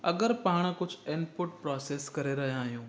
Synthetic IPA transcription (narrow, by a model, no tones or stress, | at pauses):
ɐɡəɾpaːɽ̃kʊd͡ʑʱɪnɖpʊʈ̚pɾɔːseːskɐɾeɾɐɦijãːɦijũː